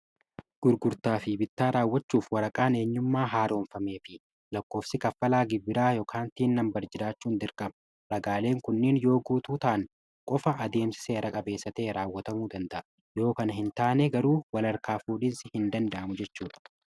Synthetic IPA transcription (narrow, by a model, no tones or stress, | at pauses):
ɡ̥ʊɾɡʊɾt̪aːfɪbɪt̪ːaːɾaːwːɐt͡ʃːuːfwɐɾɐkʼaːne̞ːɲːʊmːaːɦaːɾo̞ːnfɐme̞ːfɪ | lɐkːo̞ːfsɪkɐfːɐlaːɡɪbːɪɾaːjoːkʰaːnt̪iːnːɐmbɐɾd͡ʒɪɾaːt͡ʃːuːnd̪ɪɾkʼɐb | ɾɐɡaːle̞ːŋkʊnːɪnjo̞ːɡuːt̪uːt̪ɐʔɐn | kʼɔfɐʔːd̪e̞ːmsɪ̥se̞ːɾɐkʼɐbe̞ːsːɐt̪eːɾaːwːɐt̪ɐmuːd̪ɐnd̪ɐʔɐ | jo̞ːkɐnɐɦɪnt̪aːnɛɡɐɾuːwɐlɐɾkaːfuːᶑiːnsɪhɪnd̪ɐnd̪ɐʔɐmʊd͡ʒɛt͡ʃːuːᶑɐ̥